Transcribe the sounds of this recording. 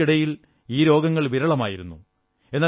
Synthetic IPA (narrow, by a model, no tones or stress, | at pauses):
iɽɐjil | iːɾo̞ːɡɐŋːɐɭʋiɾɐɭɐma̰ːjiɾunːṵ | e̞nːaː